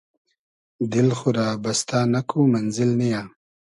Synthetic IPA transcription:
d̪ɪlxuɾaːbɐst̪aːnakʰumanzɪlnijaː

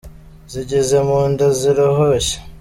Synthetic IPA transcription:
ziɟezemuːndoziɾohoɕe̥

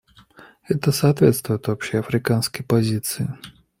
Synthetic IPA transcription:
ɛt̪əsɐːt̪vʲet̪st̪vʊjɪt̪vɐpɕeɐfɾʲɪkanskəjpɐzʲit̪sɨɪ

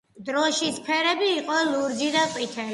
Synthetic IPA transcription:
d̪ɾɔʃispʰɛɾɛbiːqʼɔluɾd̪d͡ʒid̪aqʼwit̪ʰɛ

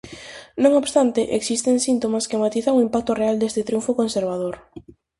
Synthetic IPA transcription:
nõŋobst̪ant̪ɪʔeksist̪eŋsint̪omaskɪmat̪iθaŋuimpak̚t̪oreald̪est̪ɪt̪ɾjuɱfokonseɾβ̞aðoɾ

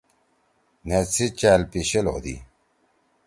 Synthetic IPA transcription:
net͡sʰit͡ɕalpiɕelod̪ḭ

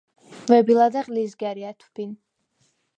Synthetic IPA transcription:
vɛbilˠad̪aqʼlizɡaɾiat̪ʰub̥in

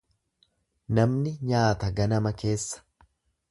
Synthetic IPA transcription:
nɐmnɪɲaːt̪ɐɡɐnɐmɐke̞ːsːɐ̥

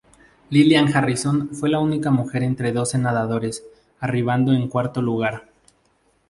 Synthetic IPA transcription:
liljaŋxarisonfwe̞launikamuxe̞ɾe̞nt̪ɾe̞ðo̞se̞naðaðo̞ɾe̞s | ariβ̞and̪o̞e̞ŋkwaɾt̪o̞luɣaɾ

